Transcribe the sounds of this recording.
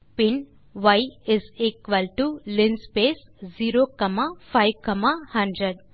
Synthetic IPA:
pin | ʋɐjɪzikʋɐlʈulinspeːsziːɾokɐmafajʋkɐmahɐ̃ɳɖɾeɖ

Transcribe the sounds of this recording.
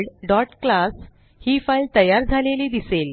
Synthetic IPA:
ɖɖɔʈklas | hiːfajlt̪əjaɾd͡zʱaleliːd̪isel

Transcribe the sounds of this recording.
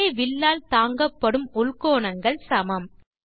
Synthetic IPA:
ʋɪlːaːlt̪aːŋɡɐpːɐɽɯmʊɭkoːɳɐŋɡɐɭsɐmɐm

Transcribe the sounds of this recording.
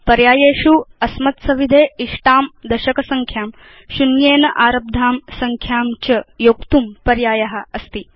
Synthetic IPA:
pɐɾjaːjeːʃuɐsmɐt̪sɐʋid̪ʱeːiʂʈaːmd̪ɐʃɐkɐsɐŋkʰjaːm | ʃunjeːnɐʔaːɾɐb̚d̪ʱaːmsɐŋkʰjaːmt͡ʃɐjoːkt̪umpɐɾjaːjɐɦɐ̆ɐst̪i

